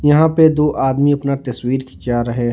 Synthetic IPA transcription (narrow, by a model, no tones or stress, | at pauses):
jɐɦãped̪oːʔaːd̪miɐpnat̪ɐswiːɾkʰi̥t͡ʃaɾɐɦe